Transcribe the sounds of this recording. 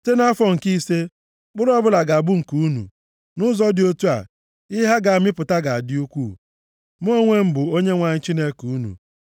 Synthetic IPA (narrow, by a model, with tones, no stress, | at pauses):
te˦na˦fɔ˦˨ŋ̩˨ki˦se˦ | k͡pʊ˦ɾɔ˦bʊ˦la˨ɡa˨a˨ɡ͡bu˦ŋ̩˨ku˨u˦nṵ˨ | nʊ˦zɔ˦dɪ˨o˦tu˦a̰˨ | ɪ˦ɦa˦ɡa˨a˨mɪ˦pʊ˨ta˦ɡa˨a˨dɪ˦u˦kʷuː˦˨ | m˦o˦ŋʷe˦m̩˦bʊ˨o˦ɲe˦ŋʷa˨ɲɪ˦t͡ʃi˦ne˦ku˨u˦nṵ˨